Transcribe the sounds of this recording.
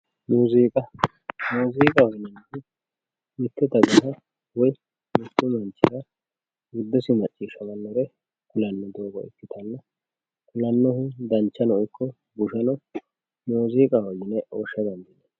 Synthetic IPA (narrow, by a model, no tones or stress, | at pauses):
nuːziːkʼɐ | noːziːkʼɐwɐnɛnt̪ɪ | mɪt̪ːɛt̪ɐɡɐɦɐ | wɔj | mɪt̪ːʊmɐnt͡ʃːɪɾɐ | ɡʊd̪ːɛsɪmɐt͡ʃʼːiːʃɐmɐnːɔɾɛ | kʊlɐnːɔd̪oːɡɔ̰ɛ̰kːɪt̪ʰɐnːɐ | kʊlɐnːɔhɪd̪ɐnt͡ʃːɐnɔɔjkːɔ | bʊʃɐnɐ | noːziːkʼɐwɐɡɪnɛʔoːʃːɐd̪ɐnd̪ɪnɛ